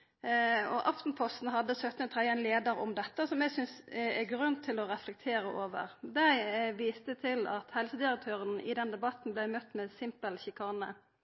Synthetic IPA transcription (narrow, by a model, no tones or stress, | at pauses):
ɔʔɑft̪n̩pʰɔst̪n̩ɦɑd̪ːəsœt̪ːnət̪ʰʁɛd̪ɛnleːd̪əɾɔmd̪ɛt̪ːəsɔmɛɡsʏnsɛɡɾʉnt̪ʰːɪlɔɾɛflɛk̚t̪ʰeːɾəʔoːʋə̰ʁd̪æɪʋiːst̪ət̪ʰɪlɑ̰t̪hɛlsəd̪ɪɾək̚t̪ʰøːʁənɪ̰d̪ɛnd̪ɛbɑt̪n̩blæɪmœt̪ːmɛsɪmpəlçɪkʰɑːnə